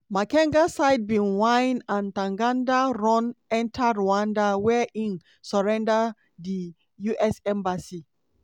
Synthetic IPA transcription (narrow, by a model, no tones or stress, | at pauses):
makɛ̃ŋɡasaɪd̚bĩnwãjnãntãŋɡãndaɹɔ̃nɛ̃ntʰaɹuãndawɛʔĩn | sɔɹɛ̃nda | di | juʔɛsɛ̃mbasi